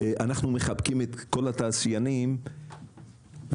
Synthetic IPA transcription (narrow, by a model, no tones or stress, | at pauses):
ʔanaχnume̞χabkimet̪ko̞lat̪aːsjanim | v